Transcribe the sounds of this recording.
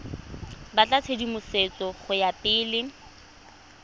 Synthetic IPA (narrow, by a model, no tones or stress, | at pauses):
bat͡ɬʼat͡sʰedimʊset͡sʼɔχʊjapʼɪːlɪ